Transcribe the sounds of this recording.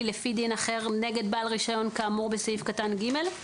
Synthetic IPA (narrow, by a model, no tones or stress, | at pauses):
lefid̪inaχe̞ʁne̞ɡe̞d̪baːlʁiʃajo̞nkaːmuʁbesaifkatanɡime̞l